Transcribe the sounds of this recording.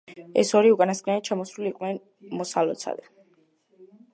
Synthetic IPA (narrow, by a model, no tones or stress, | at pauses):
ɛ̰sɔɾiukʼanaskʰʼnɛnt̪t͡ʃʰamɔsɾuliqʼvnɛn | mɔsalɔ̰t̪sʰa̰d̪a